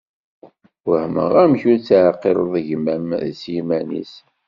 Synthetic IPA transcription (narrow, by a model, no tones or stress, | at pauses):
wəhmə̰ʁæmçuɾt͡sːʕqːeɾˤðˤəʝmæmðsjimænḭs